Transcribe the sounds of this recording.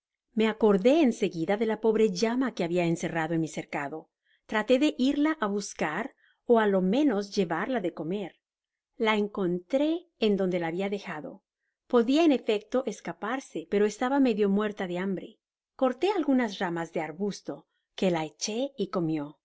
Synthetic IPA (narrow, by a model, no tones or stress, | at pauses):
me̞ako̞ɾðe̞ːnse̞ɣiðaðe̞lapo̞βɾe̞ʝamake̞aβiaense̞raðoenmise̞ɾkaðo̞ | t̪ɾat̪e̞ðe̞ʔiɾlaʔaβuskaɾ | oalo̞mẽ̞no̞zʝe̞βaɾlaðe̞ko̞me̞ɾ | laeŋko̞nt̪ɾe̞ːnd̪o̞nd̪e̞laːβiaðe̞xaðo̞̰ | po̞ðiaene̞fe̞k̚t̪o̞ʔeskapaɾse̞pe̞ɾo̞est̪aβame̞ðjo̞mwe̞ɾt̪aðe̞ambɾe̞ | ko̞ɾt̪e̞alɣunasramazðe̞aɾβust̪o̞ | ke̞laet͡ʃe̞iko̞mjo̞